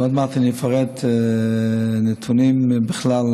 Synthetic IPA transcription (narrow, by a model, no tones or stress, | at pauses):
atmaχtənɪfaɾɛt | nɪtʰunimbəχlalˠ